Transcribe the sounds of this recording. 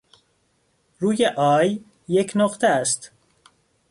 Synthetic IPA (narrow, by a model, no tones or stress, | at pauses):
ɾuːjeʔɒːjː | ecʰnoqt̪ʰeæst̪